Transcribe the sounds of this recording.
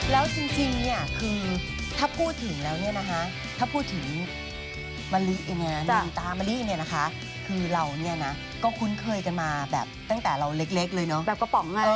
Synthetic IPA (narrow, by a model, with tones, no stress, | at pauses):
lɛː˦˥wt͡ɕi˧ŋt͡ɕi˧ŋni˥˩ɐkʰɯː˧ | t̪ʰaː˥˩pʰuː˥˩t̪ʰːɯ˩˦ŋlɛː˦˥wni˥˩ɐna˦˥kʰa˦˥ | t̪ʰaː˥˩pʰuː˥˩t̪ʰːɯ˩˦ŋ | ma˧nli˦˥ʔi˧ni˧˥˩na˧˩a˧ŋt̪aː˧ma˧li˦˥˧ni˥˩ɐna˦˥kʰa˦˥ | kʰɯː˧ɾa˧wni˥˩ɐna˦˥ | kɔː˥˩kʰu˦˥nkʰɤː˧jka˧nmaː˧bɛ̰ː˨˩p̚t̪a˥˩ŋt̪ɛː˨˩ɾa˧wle˦˥k̚le˦˥k̚lɤː˧jnɔ˦˥bɛː˨˩p̚kɔ˧pɔ˨˩˦ŋ˧ɤː˧